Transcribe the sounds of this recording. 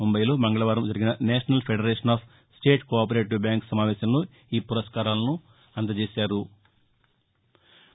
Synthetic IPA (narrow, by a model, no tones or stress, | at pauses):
ombɐjlo̞ːmɐŋɡɐɭɐʋaːɾɐmd͡ʒɐɾiɡinɐneːʂɐnɐlpʰeɖɐɾeːʂɐnaːpʰ | sʈe̞ːʈkoːp̬ɐɾeːʈːubjaːŋksɐmaːʋɛːʃɐmlo̞ː | iːpuɾɐskaːɾaːlɐnu | ɐnt̪ɐd͡ʒeːsaːɾu